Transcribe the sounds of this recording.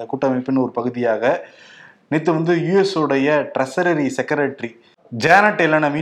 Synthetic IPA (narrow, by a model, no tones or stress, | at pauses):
ɐkuːʈːɐmɐɪpːɪnːɐɔɾɯpɐɣɯðɪjaːɣɐ | nit̪ːɯʋɐnd̪ɯjuːɛsɯɽɐjɐʈɾɐsɐɾɐɾisɛkɐɾɐʈɾi | d͡ʒaːnɐʈːɛlːɐnɐmiː